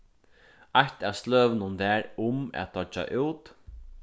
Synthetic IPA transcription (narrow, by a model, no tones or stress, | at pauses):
ajht̪ast̪løːʋnʊnðɛːɾʊmæ̰t̪̚t̪ʰɔt͡ʃːa̰ʔuːt̪